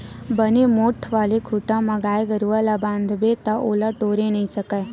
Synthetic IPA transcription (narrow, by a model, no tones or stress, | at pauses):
bənemoːʈʰʋaːlekʰʊʈãməɡaːeɡəɾuːalaːbãːnd̪bet̪ãʔoːlaʈoːɾenəĩsəkaː